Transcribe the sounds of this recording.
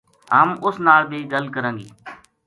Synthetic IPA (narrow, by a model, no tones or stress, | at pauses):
ɦəmʊsnaːlbʱiːɡəlkəɾə̃ːŋɡḭː